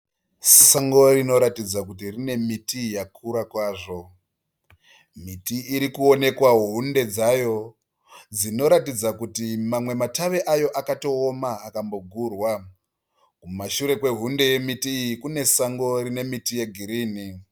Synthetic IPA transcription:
saŋɡo̞ɾino̞ɾatid͡zakutirine̞mitijakʰuɾakwaːʐo̞ | mitiːɾikuo̞ne̞kwaɦɦunde̞d͡zajo̞ | d͡zino̞ɾatid͡zakutimamwe̞mataʋe̞ʔajo̞ʔakato̞ːmaːkambo̞ɡʱurwa | kumaʃuɾe̞kwe̞ɦunde̞je̞mitiːjikune̞saŋɡo̞rine̞mitije̞ɡʱiɾiːni

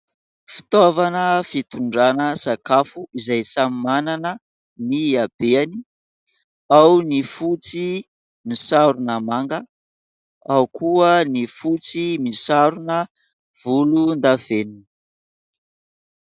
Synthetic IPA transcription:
fi̥t̪ovanəfit̪uɳɖ͡ʐanəsakafuizajsamimananə | niab̥eani | awnifut͡si | misaɾunəmaŋɡə | awkʰuənifut͡simisaɾunə | v̥ulund̪av̥enin

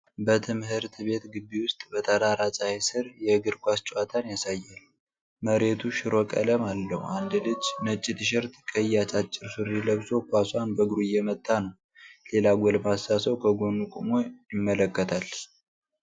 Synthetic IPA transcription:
bət̪ʰɨmɦɨɾt̪ʰɨβe̞t̪ɡɨbːiwʊst̪ʼbət̪ʰəd̪aɾat͡ʃʼahesɨɾjɛɡɨɾkʷast͡ʃʼwat̪ʰanjasajːal | məɾe̞t̪ʰuʃɪɾokʼə̰ləmalːəhuʔand̪lɨd͡ʒːnət͡ʃʼːɪt̪ɨʃɛɾt̪kʼəjat͡ʃʼat͡ʃʼːɪɾsɨɾːiləβso̞kʰʷaswanbəɡɾujɛmət̪ʼːanəw | le̞laɡʷɔlmasasəwkʰəɡo̞nukʼumojɪmːələkːət̪ʰal

